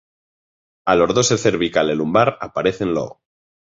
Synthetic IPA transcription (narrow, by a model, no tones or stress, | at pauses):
alo̞ɾðoseθeɾβikalelumbaɾapaɾe̞θenlo̰ɣ